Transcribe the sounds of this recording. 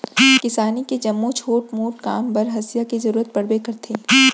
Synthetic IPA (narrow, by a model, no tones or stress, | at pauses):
kɪsaːniked͡ʒɐmːot͡ʃʰoːʈmoːʈkaːmbɐɾɦɐsijakizɐɾuːɾət̪̚pɐɽbekɐɾt̪ʰeː